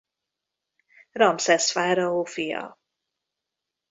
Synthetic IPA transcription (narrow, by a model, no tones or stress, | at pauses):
rɒmsɛsfaːɾɒoːfijɒ̰